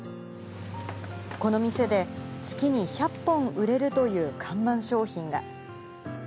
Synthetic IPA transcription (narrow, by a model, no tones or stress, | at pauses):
ko̞no̞mʲise̞d̪e̞t͡sɨ̥kʲiɲ̟içapːõ̞ŋ̃ɯ̟ɾe̞ɾɯ̟t̪o̞jɯ̟ːkʰãmbãɰ̃ɕo̞ːçĩŋɡa̰